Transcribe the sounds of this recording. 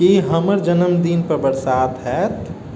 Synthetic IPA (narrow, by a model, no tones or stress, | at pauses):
iɦɐməɾd͡ʒənəmd̪iːnpəɾbəɾsaːt̪ɦɛːt̪